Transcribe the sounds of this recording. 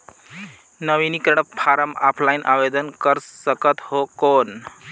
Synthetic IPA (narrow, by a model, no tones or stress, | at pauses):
nəwinikəɾɳəpʰaɾəmapʰlajnʔa̰bed̪ənkəɾsəkət̪hokon